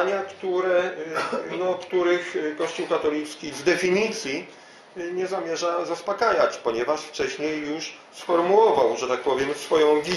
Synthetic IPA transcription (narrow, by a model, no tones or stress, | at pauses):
ɲakt̪uɾɛ | nɔkt̪uɾɘxkɔɕt͡ɕuwkat̪ɔlʲit̪skʲivd̪ɛfʲiɲit̪sʲji | ɲɛzamʲjɛʐazaspakajat͡ɕpɔɲɛvaʂft͡ʂɛɕɲejːuʂ | sfɔɾmuwɔvawʐɛt̪ak̚pɔvʲjɛmsfɔjɔ̃w̃ɡʲi